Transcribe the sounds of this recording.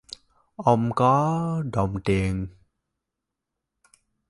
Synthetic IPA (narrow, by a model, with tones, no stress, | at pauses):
ʔə˧wŋ͡mkɔ˨˦ɗə˨˩wŋ͡mt̪i˨˩ən